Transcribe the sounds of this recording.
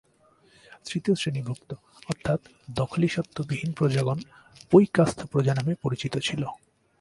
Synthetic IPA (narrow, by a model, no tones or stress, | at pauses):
sɾit̪iosɾenibʱukt̪o | ɔɾt̪ʰːat̪ | d̪ɔkʰoliʃɔt̪ʰːobibʱinpɾod͡ʑaɡon | pojkast̪ʰopɾod͡ʑanamepoɾit͡ɕit̪ot͡ɕʰilo